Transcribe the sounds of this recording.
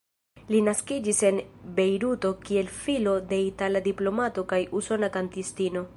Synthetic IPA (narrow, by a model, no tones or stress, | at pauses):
linaskid͡ʒise̞nbe̞jɾuto̞kie̞lfilo̞de̞italadiplo̞mato̞kajuso̞nakantistino̞